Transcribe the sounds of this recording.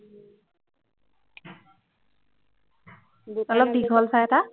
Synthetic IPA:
ɔlɔdiɡʱɔlsajɛta

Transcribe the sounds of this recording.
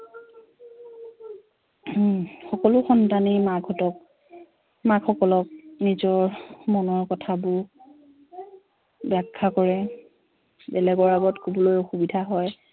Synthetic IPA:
xɔkɔlʊxɔntanimaɡʱɔtɔk | makxɔkɔlɔk̚nizɔɹmɔnɔɹkɔtʰabʊ | bakʰːakɔɹɛ | bɛlɛɡɔɹaɡɔtkubɔlojoxubidʱaɦɔj

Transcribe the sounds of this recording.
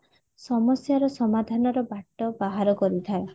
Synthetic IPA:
sɔmɔsjaɾɔsɔmad̪ʱanɔɾɔbaʈːɔbaɦaɾɔkɔɾit̪ʰae

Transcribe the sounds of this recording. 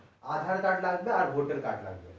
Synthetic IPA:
ad̪ʱaɽkaʈlaɡmeaɾbʱoʈəɾka̰ʈla̰ɡ̚mḛ

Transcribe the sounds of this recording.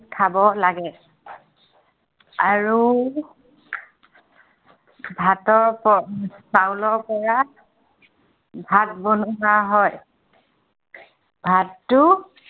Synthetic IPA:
kʰabɔlaɡɛ | aɹu | bʱatɔɹpɔsawlɔɹpɔɹa | bʱat̚bonuɦaɦɔj | bʱatːʊ

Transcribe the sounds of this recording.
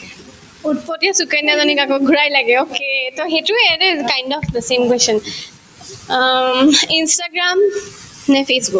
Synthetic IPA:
ut̚pɔtiɔsukɛnazɔnikakoɡʱuɹajlaɡɛoketoxetʊɛɾzkajndɔfd̪əsemkwɛstɔn | instaɡɹam | nɛpʰesbuk

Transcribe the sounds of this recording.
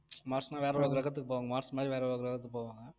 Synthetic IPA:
maːʈsnãːʋeːɾɛʋoːkɯɾɐɣɐt̪̬ːɯkːɯpoːʋaːŋɡɐmaːɾsmaːd̪ɾiʋeːɾɛʋoːkɯɾɐɣɐt̪ːɯk̚ːpoːʋaːŋɡɐ

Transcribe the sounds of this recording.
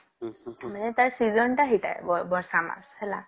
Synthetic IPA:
m̤anet̪aɾsid͡zɔɳʈaɦiʈa̰jbɔbɔɾsama̰shela̰

